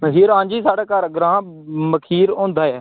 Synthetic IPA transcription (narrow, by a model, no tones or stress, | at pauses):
məɦiːɾãːɲd͡ʒiːsaːɽaːkəɾɡɾãːməkʰiːɾõːnd̪aːɛː